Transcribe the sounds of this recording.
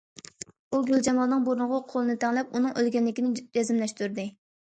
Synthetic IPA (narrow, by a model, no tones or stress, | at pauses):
uɡʲyld͡ʒɛmɑlˠnɨŋboɾʊnʁɑqʰolˠɨnɨt̪ʰɛŋlɛp̚unɨŋʔølɡʲɛnlːɪkʲinɪd͡ʒɛzɪmlɛʃt̪yɾd̪ɨ